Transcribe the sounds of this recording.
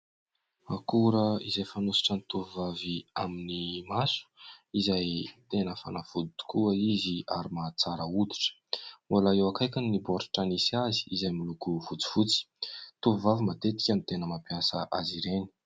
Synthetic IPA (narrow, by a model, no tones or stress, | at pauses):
akuɾəizajfanusi̥ʈ͡ʂənit̪uvuvaviaminimasu̥izajt̪enəfa̰nafud̪it̪u̥kuəizia̰ɾimat͡saɾəud̪i̥ʈ͡ʂə̥malaewakajkʲanniboɾi̥ʈ͡ʂanisiazi̥izajmilukuvut͡si̥fut͡si̥ | t̪uvuvavimat̪et̪i̥kʲanit̪enəmapiasə̰ʔaziɾeni̥